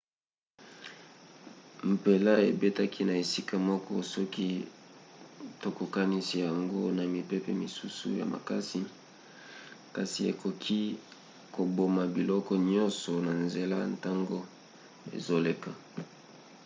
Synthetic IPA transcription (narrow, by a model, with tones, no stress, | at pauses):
m̩˨pe˨la˦e˨be˦ta˦kʰi˦na˨e˨si˦ka˦mɔ˦kɔ˦sɔ˦ki˦ | to˨ko˨ka˦ni˦si˦ja˨ŋɡo˦na˨mi˨pe˦pɛ˦mi˨su˦sṵ˨ja̰˨ma̰˨ka˦si˦ | ka˨si˨ḛ˨ko˨kʰi˦ | ko˨bo˨ma˨bi˨lɔ˦kɔ˦ɲɔ̃˦nsɔ˨na˨nze˨la˦n˦ta˦ŋɡo˦ | ḛ˨zo˦le˨ka˨